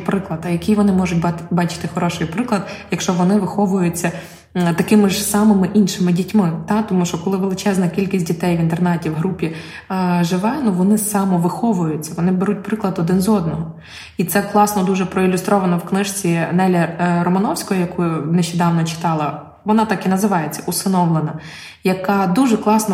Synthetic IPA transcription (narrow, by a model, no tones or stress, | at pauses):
pɾɪklˠɐd̪ɐjɐkijʋɔnɪmɔʒʊtʲbɑt͡ʃɪ̥t̪ɪxɔɾɔʃɪjpɾɪklˠɐd̪jɐkʃt͡ʃɔʋɔnɪʋɪxɔʋʊjʊt͡sʲːɐ | t̪ɐkɪmɪʒsɑmɪmɪʔinʃɪmɪdʲitʲmɪt̪ɑt̪ɔmuʃt͡ʃɔkɔlˠɪʋelˠɪt͡ʃɛznɐkʲilʲkʲisʲt̚ʲdʲit̪ɛjʋint̪ernɛtʲiwɦɾupʲi | ʒɪʋɛnʊʋɔnɪsɑmɔʋɪxɔʋʊjʊt͡sʲːɐʋɔnɪbeɾut̚ʲpɾɪklˠɐd̪ɔd̪ɪnzɔd̪nɔɦɔ | it̪sɛklˠɑsnɔd̪uʒɛpɾɔilʲʊst̪ɾɔʋɐnɐwknɪʃt͡sʲinɛlʲɐɾɔmɐnɔwsʲkɔɦɔjɐkujʊnɛʃt͡ʃed̪ɑwnɔt͡ʃɪ̥t̪ɑlˠɐ | ʋɔnɑt̪ɑkinɐzɪʋɑjet͡sʲːɐusɪnɔʋlˠenɐ | jɐkɑd̪uʒɛklˠɑsnɔ